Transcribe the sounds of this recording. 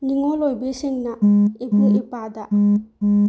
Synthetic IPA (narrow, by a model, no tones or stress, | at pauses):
niŋɔlɔjbeseŋnaebuʔepad̪a